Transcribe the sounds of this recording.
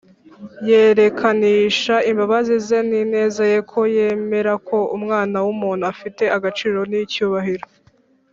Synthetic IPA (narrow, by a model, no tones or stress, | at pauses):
je̞ɾe̞kʰaniːʃaimbaβazizenine̞ːzaje̞kʰo̞je̞ːme̞ɾako̞umŋaːnawumuːn̥uafite̞ʔaɡat͡ʃiːɾo̞nicuːβaɦiɾo